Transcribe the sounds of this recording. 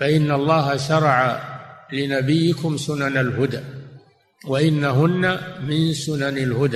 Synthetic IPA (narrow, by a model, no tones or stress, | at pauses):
faʔɪnːaɑlˤːɑːɦaʃɑɾˤɑʕalɪnabɪjːɪkʊmsʊnanalɦʊd̪aː | waʔɪnːaɦʊnːamɪnsʊnanalhʊd̪aː